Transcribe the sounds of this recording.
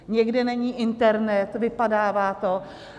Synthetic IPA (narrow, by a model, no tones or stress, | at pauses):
ɲɛɡdɛnɛɲiːʔɪnt̪ɛɾnɛt̪vɪpadaːvaːt̪o